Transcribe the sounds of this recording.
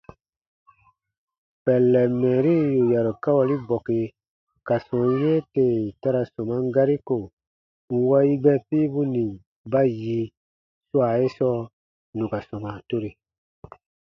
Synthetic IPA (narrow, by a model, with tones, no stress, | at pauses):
pɛ˨lːɛ˨mɛ̃ː˨ɾi˦ju˨ja˨ɾo˨ka˦wa˨li˦bɔ˨ke˨ | ka˨sɔ̃˨jẽ˦te˨ta˦ɾa˨sɔ̃˨mã˦ŋ˦ɡa˦ɾi˦ko˨ | ŋ̩˦wa˦i˦ɡ͡bɛ˦piː˦bu˦nĩ˨ | ba˦ji˧ | swa˨e˦sɔ˦ | nũ˨ka˨sɔ̃˨mã˨to˦ɾe˨